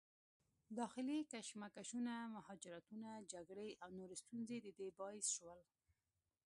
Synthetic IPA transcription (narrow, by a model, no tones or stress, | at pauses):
d̪ɑxɪlikaʃmakaʃunamahɑd͡ʒɪɾat̪unad͡ʒaɡɽeʔawnoɾest̪unzed̪əd̪ebɑɪsʃwəl